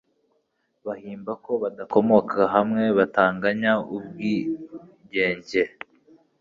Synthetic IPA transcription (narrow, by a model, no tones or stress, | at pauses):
βahiːmbako̞βadako̞mo̞kʰaɦamŋe̞βataːŋɡaɲaub̚ɡi | ɟe̞ːɲɟe̞